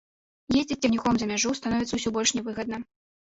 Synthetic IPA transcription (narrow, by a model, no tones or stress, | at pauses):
jezʲd͡zʲiːɛxnʲixɔmzɐmʲaʐust̪anɔvʲit̪sɐwsʲɔbɔlʲʂnʲɛvɨɣɐd̪nɐ